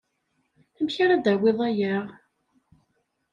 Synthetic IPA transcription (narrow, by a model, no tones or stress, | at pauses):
æmçaɾad̪æwɪðˤæjæʁ